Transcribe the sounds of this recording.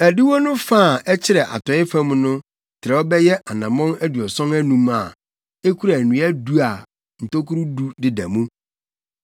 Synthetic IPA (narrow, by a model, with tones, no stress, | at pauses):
æ˨di˦wo˦nʊ̃˦faː˦˨ɛ˦t͡ɕʰɪ˦ɾɛ˨ʔa̰˨tʰɔ˨ɪ˦fæ̃˦m˦nʊ̃˦ | tʰɪ˨ɾɛ˨ɔ˦bɛ˦jɛ˦ʔa˨nã˨mɔ̃˦næ˦du˨ɔ˨sɔ̃˦næ˦nũ˦ma˨ | e˦kʰu˦ɾa˨nũ˨˦æ˦du˦a˨ | n̩˨tʰo˦kʰu˦ɾu˦du˦dɪ˨dæ˨mũ˦